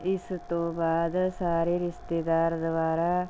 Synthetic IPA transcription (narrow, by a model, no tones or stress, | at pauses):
ɪst̪õːbaːd̪saːɾeːɾɪʃt̪eːd̪aːɾd̪ʋaːɾaː